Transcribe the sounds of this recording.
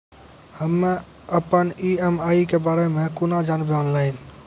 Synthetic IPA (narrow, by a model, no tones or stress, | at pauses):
həmːẽ | əpəniɛmaːikebaːɾemẽkʊnad͡ʒaːnbeɔːnlaːɪn